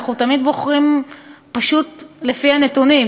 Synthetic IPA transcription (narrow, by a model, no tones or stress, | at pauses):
χut̪amid̪bo̞χʁimpaʃut̪le̞fianet̪unim